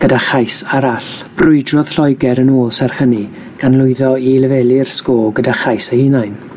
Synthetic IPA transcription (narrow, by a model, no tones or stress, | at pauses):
ɡ̥ədaχajsaɾaɬb̥rʊɨdrɔð̥ɬɔjɡɛɾənoːlˠsɛrhəni | ɡ̥anlˠʊɨðɔiləvɛːlˠirskoːlˠɡədaχajsəhinajn